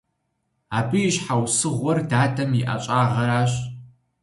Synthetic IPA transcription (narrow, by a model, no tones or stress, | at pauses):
aːbɨjɪɕħawsɨʁʷɔrdaːdʰɐmiʔɐ̰ɕʼaːʁɐɾaːɕ